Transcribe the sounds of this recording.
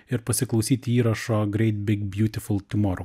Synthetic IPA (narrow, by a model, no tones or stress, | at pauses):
ɪɾpɐsʲɪklˠɔʊsʲiːt̪ʲɪiːɾɐʃoːɡɾʲɛɪt̪̚bʲɪɡbʲjuːt̪ʲɪfʊlˠt̪ʲʊmɔɾ